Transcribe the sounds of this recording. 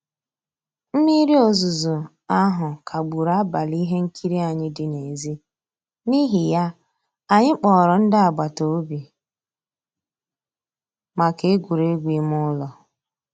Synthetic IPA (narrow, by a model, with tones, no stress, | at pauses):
m̩˦mi˦ɾi˦o˨zu˨zu˨ | a˦ɦʊ˨kʰa˨ɡ͡bu˨ɾa˦ba˨li˦ɦe˦ŋ̩˦kʰi˦ɾi˦a˨ɲɪ˦dɪ˨ne˨zi˦ | ni˦ɦi˨ja˦ | a˨ɲɪ˦k͡pɔ˨ɾɔ˨n̩˦dɪ˦a˨ɡ͡ba˨to˨o˦bi˨ | ma˨ke˦ɡʷu˨ɾe˨˦ɡʷi˨˦m˦ʊ˦lɔ˨